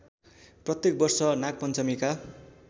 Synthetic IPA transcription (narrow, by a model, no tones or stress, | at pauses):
prʌt̪jek̚bʌrsʌnak̚pʌnt͡sʌmika